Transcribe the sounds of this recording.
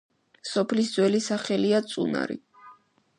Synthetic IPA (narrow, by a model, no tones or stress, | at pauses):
sɔpʰlisd̪zwɛlisaχɛliat̪sʼṵna̰ɾḭ